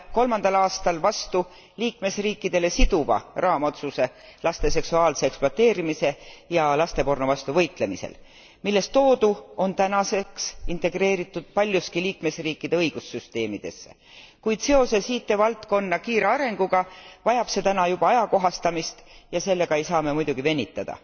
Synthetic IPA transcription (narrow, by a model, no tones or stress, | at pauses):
ko̞lmɑnd̪ɑlɑːst̪ɑlvɑst̪u | liːkme̞sriːkːid̪̥e̞le̞sid̪̥uvɑ̰rɑːmot̪suse̞lɑst̪e̞se̞ksuɑːlse̞eksploɑt̪ːˑeːɾimise̞jɑlɑst̪e̞po̞rnuvɑst̪uvɤ̞jt̪ˑle̞misḛl | milːe̞st̪o̞ːd̪uo̞nt̪ænɑse̞ksint̪e̞ɡ̥re̞ːɾit̪ˑːud̪̥̚pɑlʲjuskiliːkmesriːkːˑid̪̥e̞ɤjɡ̥usːyst̪e̞ːmid̪̥e̞sːe | kujd̪̥se̞o̞sesiːt̪ːe̞vɑlt̪ko̞nːɑkiːɾeɑɾe̞ŋɡ̥uɡ̥ɑvɑjɑb̥se̞t̪ænɑjub̥ɑɑjɑko̞ɦɑst̪ɑmist̪jɑse̞lːe̞ɡ̥ɑe̞jsɑːme̞mujd̪̥uɡ̥ive̞nʲːit̪ˑːɑd̪̥ɑ̰